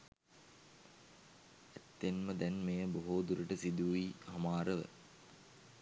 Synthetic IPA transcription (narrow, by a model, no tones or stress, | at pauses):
æt̪ːenməd̪ɛnmejəboɦoːd̪uɾəʈəsid̪uihɐmaːɾəʋə̰